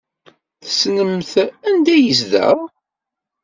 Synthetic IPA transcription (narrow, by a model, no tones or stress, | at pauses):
θəsnəmθænd̪æjəz̬ðæ̰ʁ